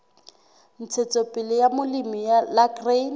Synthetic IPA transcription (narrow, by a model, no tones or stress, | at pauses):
n̩t͡sʰet͡sopʼɪlɪjamʊlimijalakren